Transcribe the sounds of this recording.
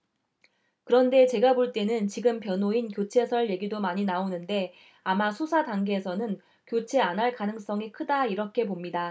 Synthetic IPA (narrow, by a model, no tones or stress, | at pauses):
kɯɾʌnde̞t͡ɕe̞ɡaboɭt͈e̞nɯnt͡ɕiɡɯmpjʌnoinkjot͡ɕʰe̞sʰʌɭje̞ɡidomaɲinaonɯnde̞ | amasʰosʰadaŋɡeːsʰʌnɯn | kjot͡ɕʰe̞anaɭkanɯŋs͈ʌŋikʰɯdaiɾʌkʰe̞pomɲida